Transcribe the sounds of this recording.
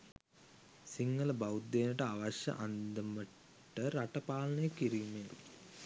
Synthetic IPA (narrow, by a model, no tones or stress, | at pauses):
siŋɡələbawd̪ːeːnəʈəaʋaɕjə̰ʔand̪əmə | ʈːəɾaʈəpaːlɐnəjəkiɾiːmen